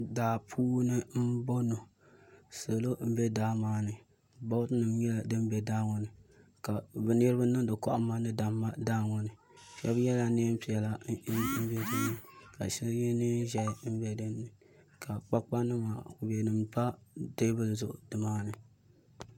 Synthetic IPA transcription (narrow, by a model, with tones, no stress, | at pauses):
daː˨pʰuː˦nɨ˦m̩˦bo˦no˨ | so˨lo˦m̩˦bɛ˦daː˦maː˦nɨ˨ | bɔ˦tɨ˦nɨ˨mjɛ˦la˨dɨ˦m˦bɛ˨daː˦ŋɔ˨nɨ˨ka˨bɨ˨n˦ɛ˦ɾɨ˦bɨ˦nɨ˦dɨ˨kɔ˦ʔmːa˦nɨ˦da˨˦a˦daː˦ŋɔ˨nɨ˨ | ʃɛ˦bjɛ˦la˨ne˦m̩˦pi˨ɛ˨la˦m̩˦bɛ˦dɨ˦nɨ˨ka˨ʃɛ˦ljɛ˦nɨ˦n˦ʒɛ˨˦m̩˦bɛ˦dɨ˦nːɨ˨ | kʰa˨k͡pa˦k͡pa˦nɨ˦maː˨ku˨bɛ˨nɨ˨mpa˦de˦bɨ˦lzʊ˨ʔʊ˨dɨ˨maː˦nɨ˨